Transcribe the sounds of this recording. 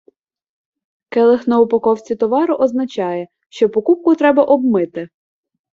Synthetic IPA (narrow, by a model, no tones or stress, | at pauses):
kɛlˠexnɔʊpɔkɔwt͡sʲit̪ɔʋɑɾʊʔɔznɐt͡ʃɑjɛ | ʃt͡ʃɔpɔkup̚kʊt̪ɾɛbɐʔɔbmɪt̪ɪ